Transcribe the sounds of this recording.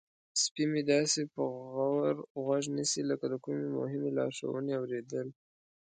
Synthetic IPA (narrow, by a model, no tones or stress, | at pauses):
spimed̪ɑsepəɣawaɾɣwaʒnisiləkad̪əkumemʊ̰ɦɪmelɑ̰ɾʃa̰wə̰neawɾed̪əl